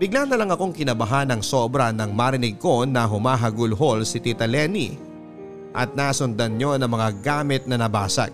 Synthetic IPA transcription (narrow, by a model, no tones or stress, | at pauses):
bɪɡ̚lanɐlɐŋɐko̞ŋkɪnɐbɐɦanɐŋsoːbɾɐnɐŋmaːɾɪnɪɡ̚ko̞nɐɦʊmaːɦɐɡʊlɦo̞lsɪt̪it̪ɐlɛnḭ | ʔɐ̰t̪̚naːsʊnd̪ɐnɲo̞nɐŋmɐŋaɡaːmɪt̪̚nɐnɐbaːsɐ̰ɡ̚